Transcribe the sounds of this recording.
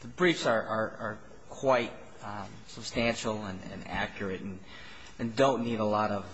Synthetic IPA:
ðəbɹifsə˞ʔə˞ə˞ | kʰw̥aɪt̚ | səb̥stæ̃nʃl̩ˠə̃nɨ̰̃næ̰kʰjə˞ɨɾn̩ | ɨ̃ndõʊ̃nːiɾəlɔɾʌv̥

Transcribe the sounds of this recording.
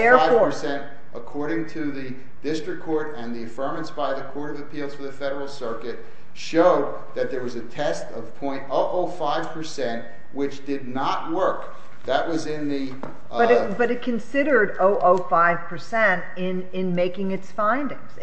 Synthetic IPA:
ɛɹɪ̥ə˞sɛ̃nt | ʔəkʰɔɹɾɪ̃ŋtʰɨðɨ | d̥ɪstɹ̥ɨkʰːɔɹɾɨ̃nðiɨfɜ̃˞mɨ̃nsb̥aɪðɨkʰɔɹɾʌvɨpʰilˠz̥fə˞ðɨfɛɾə˞l̩ˠsɜ˞kɨt̚ | ʃoʊd̪̚ | ðɨt̪̚ðə˞wʌzɨtʰɛstʌv̥pʰɔ̃ɪ̃ntoʊʔoʊfaɪv̥pʰə˞sɛ̃nʔ | wɪt͡ʃd̥ɨdⁿnət̚wɜ˞k | ðɨʔ̚wʌzɪ̃nðɨ | b̥ʌɾb̥ʌɾɨt̚kʰɨ̃nsɪɾə˞ɾoʊʔoʊfaɪv̥pʰə˞sɛ̃nt | ɪ̃n | ɪ̃nmeɪkɪ̃ŋɨtsfãɪ̃ndɪ̃ŋz̥

